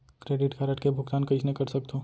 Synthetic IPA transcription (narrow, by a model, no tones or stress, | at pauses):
kɾeːɖɪʈkaːɾəʈkebʱʊkt̪aːnkɐt͡ʃnekɐɾsɐk̚t̪oː